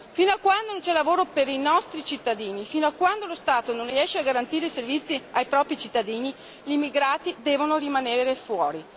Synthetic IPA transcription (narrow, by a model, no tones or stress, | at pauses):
finoakːwand̪onont͡ʃɛlavoːɾopeɾinɔst̪ɾit͡ʃit̪ːad̪iːnifinoakːwand̪olost̪aːt̪ononriɛʃeaɡaɾant̪iːɾeiservit̪sːiajpɾɔːpɾit͡ʃit̪ːad̪iːni | ʎimːiɡɾaːt̪id̪ɛːvonoɾimaneːɾefwɔːɾi